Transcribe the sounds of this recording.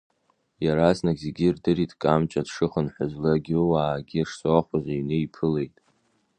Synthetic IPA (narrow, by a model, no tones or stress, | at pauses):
jaɾaznaɡʲzeɡʲirdɨɾitʼkʼamt͡ʃʼadʂɨχənħʷʊzlaɡʲiwaːɡʲiʂsoaχʷazajɥnejpʰɨle̞jtʼ